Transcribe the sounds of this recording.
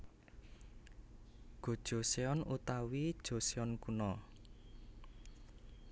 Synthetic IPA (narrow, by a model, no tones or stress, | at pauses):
ɡ̥o̤d̥ʒ̥o̤seɔnut̪awid̥ʒ̥o̤seɔnkunɔ